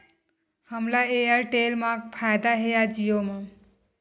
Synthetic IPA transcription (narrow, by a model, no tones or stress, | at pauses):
həmlaejəɾʈelmãpʰajd̪aɦejad͡ʒijoma